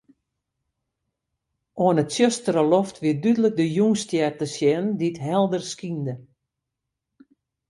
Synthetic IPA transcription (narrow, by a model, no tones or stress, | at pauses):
ʔoənətsjøstərəlɔftʋidydələk̚dəjuŋstjɛrtəsjɛnditɦɛlˠdərskində